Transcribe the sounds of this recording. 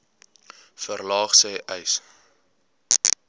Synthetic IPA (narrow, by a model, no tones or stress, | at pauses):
fərlɑːχsɛːʔəjs